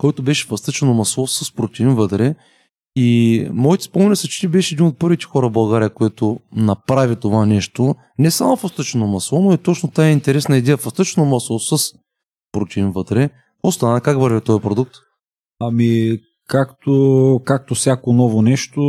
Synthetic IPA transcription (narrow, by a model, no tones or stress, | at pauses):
kɔjt̪ʊbɛʃɛ̥fɐst̪ɤt͡ʃɛnomɐslˠɔsəspɾot̪ʲiinvət̪ɾɛ | imɔit̪ɛ̥spomɛnʲɛsɐt͡ʃi̥t̪ibɛʃɛɛd̪inot̪̚pɤɾvit̪ɛ̥xɔɾɐvbɐlˠɡaɾʲijəkoɛt̪onɐpɾavʲit̪ovanɛʃt̪o | nɛsamofɐst̪ət͡ʃɛnomɐslˠɔnoit̪ɔt͡ʃnot̪aɛint̪ɛɾɛsnɐid̪ɛjəfɐst̪ət͡ʃɛnomɐslˠɔsəs | pɾot̪ʲiinvɤt̪ɾɛ | ost̪ɐnakakvɐɾvʲit̪ɔjpɾod̪uk̚t̪ | ɐmi | kakt̪okak̚t̪ofsʲjakonɔvonɛʃt̪o